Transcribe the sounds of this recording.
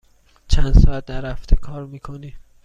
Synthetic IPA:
t͡ʃʰænd̪sɒːæt̪̚d̪æɾæft̪ʰekʰɒːɾmiːkʰoni

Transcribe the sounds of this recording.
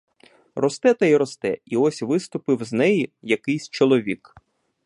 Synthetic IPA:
rɔst̪ɛt̪ɐiɾɔst̪ɛiɔsʲʋɪst̪ʊpɪwznɛjijɐkɪjsʲt͡ʃɔlˠɔʋʲik

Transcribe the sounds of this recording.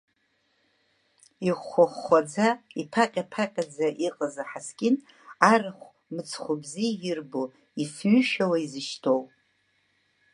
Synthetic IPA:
iχʷaχːʷad͡zaipʰaqʲʼapʰaqʲʼad͡zaʔiqʼəzaħaskʲʼɪn | arɨχʷ | mɨt͡sʰχʷʊbzijrbo | isɥʏʃᶣawaizɨʃtʰowpʼ

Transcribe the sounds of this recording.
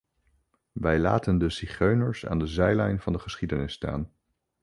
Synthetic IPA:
ʋɛjla̰ːtəndəsiχøɥnəɹsa̰ːndəzɛjlɛjnvɑndəχəsχidənɪsta̰ːn

